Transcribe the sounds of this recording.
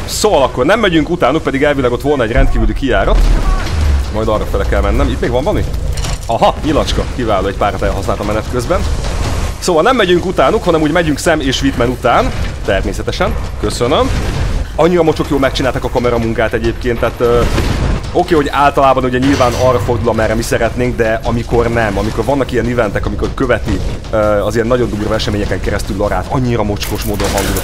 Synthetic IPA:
soːvɒlɒkːo̞rnɛmːɛɟyŋkut̪aːnuk̚pɛd̪iɡɛlvilɛɡo̞t̪ʋo̞lnɒɛɟrɛnt̪kiːvylykijaːɾɒt̪ | mɒjd̪ɒrːɒfɛlɛkɛlmɛnːɛmit̪meːɡvɒmbɒniɒɦɒɲilɒt͡ʃkɒkivaːloːɛɟpaːrɒt̪ɛlɦɒsnaːlt̪ɒmɛnɛt̪køzbɛn | soːvɒlnɛmːɛɟyŋkut̪aːnukhɒnɛmuːɟmɛɟyŋksɛmeːʃʋit̪mɛnut̪aːnt̪ɛrmeːsɛt̪ɛʃɛnkø̞sønømɒɲːiɾɒmo̞t͡ʃo̞kjoːlmɛkt͡ʃinaːlt̪aːkɒkɒmɛɾɒmuŋkaːt̪ɛɟeːp̚keːnt̪ːaːt̪ø | o̞keːɦo̞ɟaːlt̪ɒlaːbɒnuɟɛɲilvaːnɒrːɒfo̞rd̪ulɒmɛrɛmisɛɾɛt̪neːŋɡd̪ɛɒmiko̞rnɛmɒmiko̞rvɒnːɒkijɛnivɛnt̪ɛkɒmiko̞rkø̞vɛt̪iøɒzijɛnːɒɟo̞nd̪uːrvɒɛʃɛmeːɲɛkɛŋkɛɾɛst̪ylːɒɾa̰ːt̪ɒɲːiɾɒmo̞t͡ʃko̞ʃmoːd̪o̞nɦɒŋɡzu

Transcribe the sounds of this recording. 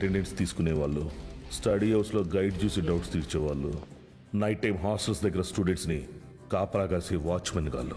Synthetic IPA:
ʈeɳɖeɳʈst̪iːsu̥kuneːʋaːɭːusʈɐɖiɦɐwslo̞ːɡɐjɖt͡ʃuːsiɖɐwʈst̪iːɾt͡ʃɛːʋaːɭːṵ | nɐjʈːɐjmɦaːsʈɐlsd̪ɐɡːɐɾɐsʈuɖeɳʈsni | kaːpɐɾaːɡaːlsiʋaːt͡ʃmɐnːɡa̰ːɭːu

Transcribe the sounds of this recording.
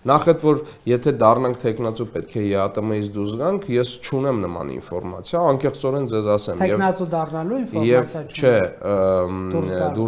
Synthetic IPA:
nɑχɛt̪vɔɾ | jɛt̪ʰɛd̪ɑrnɑŋkʰt̪ʰɛkʰnɑt͡supɛt̪̚kʰɛjɛɑt̪əmɛjit͡sʰd̪uzɡɑŋkʰjɛst͡ʃʰunɛmnəmɑ̰nḭnfɔɾmɑ̰t͡sʰjɑːŋkɛχt͡sɔɾɛnd͡zɛzɑsɛmʰɛjɛvnɑt͡sud̪ɑrnɑluinfjɛvt͡ʃʰɛ | d̪u

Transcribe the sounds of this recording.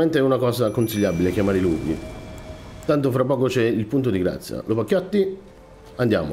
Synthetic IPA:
mɛnt̪eɛunakɔːsakonsiʎːabilekjamaːɾɪluːɾḭ | t̪ant̪ʊfɾapːɔːkot͡ʃɛilpunt̪̬od̪iɡɾa̰t̪sːja̰lopakːjɔt̪ːi | and̪ja̰ːmʊ̰

